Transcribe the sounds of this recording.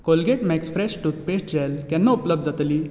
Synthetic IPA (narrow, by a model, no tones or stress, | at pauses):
kolɡeʈmɛksfɾɛɕʈut̪̚pesʈd͡ʑɛlkɛ̃nːaupləbd̪d͡zat̪liː